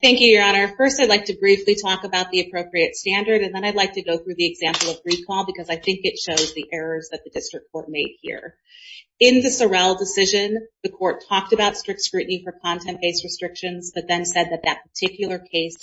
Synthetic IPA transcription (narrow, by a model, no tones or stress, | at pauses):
θæ̃ŋkjʉjə˞ɑñə˞fɜ˞staɪdˡlaɪk̚tɨbɹiflitʰɔkəbaʊt̪̚ðiɨpʰɹ̥oʊpɹiɨtstæ̃ndə˞ɾɨ̃nðə̃ñaɪdˡlaɪk̚tʰɨɡoʊθɹʉðiɨɡzæ̃mpl̩ˠʌvɡɹikʰɔlˠbɨkʰʌzaɪθɪ̃ŋkɨtʃoʊzðiʔɛɹə˞zðɨt̪̚ðɨdɪstɹ̥ɨkʰɔɹt̚meɪd̚hḭɹ | ɪ̃nðɨsə˞ɛlˠdɨsɪʒɨ̃nðɨkʰɔɹtʰɔk̚tɨbaʊtstɹ̥ɪk̚tskɹʉʔn̩ifə˞kʰɑ̃ntʰɛ̃nkʰeɪsɹɨstɹ̥ɪkʃɨ̃nzb̥ʌt̪̚ðɨ̃nsɛd̪̚ðɨt̪̚ðɨt̚pʰə˞tʰɪkjl̩ˠə˞kʰeɪs